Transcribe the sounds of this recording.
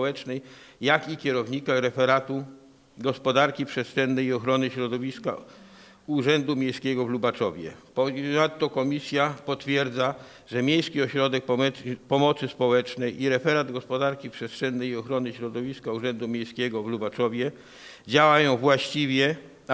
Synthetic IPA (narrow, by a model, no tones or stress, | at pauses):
ɔwɛt͡ʂnɛjjakikʲɛɾɔvɲikaɾɛfɛɾat̪u | ɡɔspɔd̪aɾkʲipʂɛst̪ʂɛnːɛjiɔxɾɔnɘɕɾɔd̪ɔvʲiska̰ | uʐɛnd̪umʲjejskʲɛɡɔvlubat͡ʂɔvʲjɛ̰pɔnat̪ːɔkɔmʲisʲjapɔt̪fʲjɛɾd̪za | ʐɛmʲjejskʲiɔɕɾɔd̪ɛk̚pɔɛpɔmɔt̪sɘspɔwɛt͡ʂnɛjʔiɾɛfɛɾad̪ɡɔspɔd̪aɾkʲipʂɛst̪ʂɛnːɛjiɔxɾɔnɘɕɾɔd̪ɔvʲiskauʐɛnd̪umʲjẽjskʲɛɡɔvlubat͡ʂɔvʲjɛ | d͡ʑawajɔ̃w̃vwaɕt͡ɕivʲjɛ